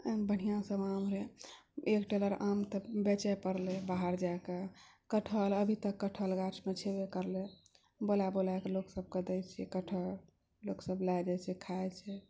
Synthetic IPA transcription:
bəɽ̤̃ijãsəbamɾeekʈeləɾamt̪ɔbet͡ʃɛjpəɾlebaɦəɾd͡ʒaeke | kəʈʰələbʱit̪əkːəʈʰəlɡat͡ʃʰmet͡ʃʰebekəɾle | bolabolaekeloksəb̚ʱked̪ɛjt͡ʃʰɛkəʈʰəl | loksəblajd͡ʒajt͡ʃʰɛkʰajt͡ʃʰɛ

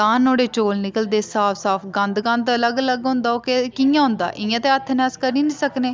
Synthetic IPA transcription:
ãːnoːɽeːt͡ʃoːlnɪkəld̪eːsaːpʰsaːpʰɡə̃nd̪ɡə̃nd̪ələɡələɡɦʊ̃nd̪aːoːkekĩjãːɦʊ̃nd̪a̰ːʔɪjãːt̪eːət̪ʰːnɛskəɾiːnĩːsəkneː

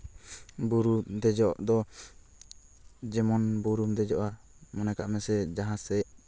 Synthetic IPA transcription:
buɾud̪ɛd͡ʒɔʔd̪ɔ | d͡ʒɛmɔnbuɾumd̪ɛd͡ʒɔʔa | mɔnaka̰ʔmɛsɛd͡ʒaɦãsɛ

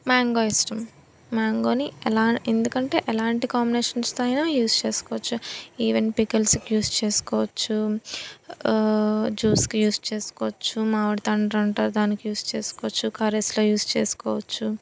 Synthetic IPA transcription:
maːŋɡoːisʈɐmː | aːŋɡo̞ːniɛlaːend̪ukɐɳʈe̞ːʔɛlaːɳʈikaːmbineːʃɐnst̪ɐjnaːjuːst͡ʃeːsu̥kɔːʋɐt͡ʃːuiːʋenpikɐlskijuːst͡ʃeːsu̥kɔːʋɐt͡ʃːu | d͡ʒuːskijuːst͡ʃe̞ːsu̥kɔːʋɐt͡ʃːumaːʋɐɽit̪ɐɳɖɾɐɳʈɐːɾd̪aːnikijuːst͡ʃe̞ːsu̥kɔːʋɐt͡ʃːukaːɾesloːjuːst͡ʃeːsu̥kɔːʋɐt͡ʃːu

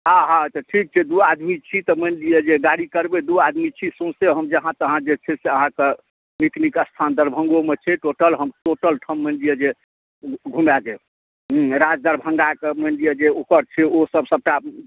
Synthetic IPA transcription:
ɦãɦãt̪əʈʰik̚t͡ʃʰɛd̪uad̪mit͡ʃʰit̪ɔmənlijed͡ʒeɡaɽikəɾbed̪uad̪mit͡ʃʰisõseɦəmd͡ʒəɦãt̪əɦãd͡ʒet͡ʃʰɛseəɦãke | miknikəst̪ʰand̪əɾbʱə̃ŋɡomet͡ʃʰɛʈoʈəlɦəmʈoʈəlʈʰəmːənlijed͡ʒe | ɡʱumad͡ʒe | ɾad͡ʒd̪əɾbʱəŋɡakemənlijed͡ʒeokəɾt͡ʃʰɛosəbsəb̚ʈa

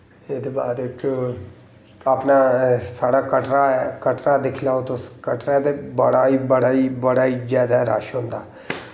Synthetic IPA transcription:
ed̪ebaːɾeko | aːpnaːsaːɽaːkəʈɾakəʈɾaːd̪ɪkʰlaːot̪õːskəʈɾat̪eːbəɽaːiːbəɽaːiːbəɽaːiːd͡ʒaːd̪aːɾa̰ːʃɦõːnd̪aː

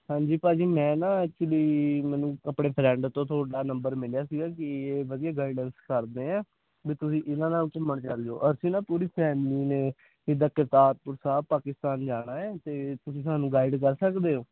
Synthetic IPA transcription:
hãːɲd͡ʒiːpaːd͡ʒiːmɛ̃ːnãːɛk̚t͡ʃʊliːmɛːnũːəpɽeːpʰɾɛ̃ːɳɖt̪õːt̪ʰoːɽaːnəmbəɾmɪljaːsiːɡaːkɪeːʋəd̪ijaːɡaːɪɖənskəɾd̪eːɛ̃ː | biːt̪ʊsĩːʔɪnãːnãːkəmːəɳt͡ʃald̪eo̰ːʔəɾsĩːnãːpuːɾiːpʰɛːmliːneː | d͡ʒɪd̪aːkɪɾt̪aːt̪̚pʊɾsaːbpaːkɪst̪aːnd͡ʒaːɽaːɛːt̪eːt̪ʊsĩːs̬aːnũːɡaːɪɖkəɾsəkd̪eːɦoː

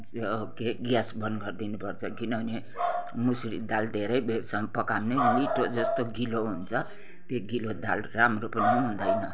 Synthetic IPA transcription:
okeɡjasbʌnɡʌrd̪inupʌrt͡sʰʌkinʌʌne | musɾḭd̪ald̪ʱeɾʌjbjebʌsamapʌkamneliʈod͡zʌst̪oɡiloɦunt͡sʰʌ | t̪joɡilod̪alramropnʌɦund̪ʌjnʌ

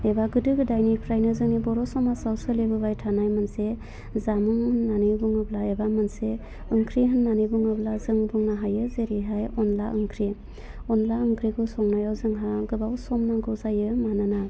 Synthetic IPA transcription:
ebaɡɯdɯɡɯdajnipʰɾajnɯzɯŋnibɔɾɔsɔmasawsɯlebɯbajtʰanajmɯnse | zamɯŋɯnːanɯbuŋablaebamɯnse | ɯŋkʰɾiɦɯnːanibuŋablazɯŋbuŋnaɦajɯzeɾiɦajɔnlaʔɯŋkʰɾi | ɔnlaɯŋkʰɾiɡɯsɔŋnajawzɯŋɦaɡɯbawsɔmnaɡɯwzajɯmanɯna

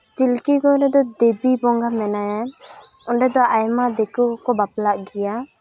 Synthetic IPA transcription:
t͡ʃilkikɔɾɛd̪ɔd̪ebibɔŋɡamɛnajaɔɳɖɛd̪ɔʔajmad̪ɛkukɔbaplaʔɡɛja

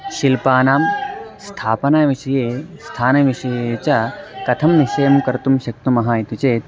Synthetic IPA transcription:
ʃilpaːnaːmst̪ʰaːpɐnaːʋiʃɐjeːst̪ʰaːnɐʋiʃɐjeːt͡ʃɐkɐt̪ʰɐmniʃɐjɐmkɐɾt̪umʃɐk̚t̪umɐɦaːit̪ut͡ʃeːt̪̚

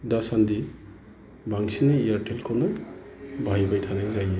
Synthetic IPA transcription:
dasandi | baŋsinɐijaɾtelkʰawnɐ | bajbajtʰanaŋzaje

